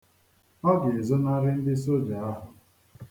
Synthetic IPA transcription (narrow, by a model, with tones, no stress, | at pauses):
ɔ˦dɪ˨e˨zo˦na˦ɾɪ˦n̩˦dɪ˦so˦d͡ʒa˨a˦ɦʊ˨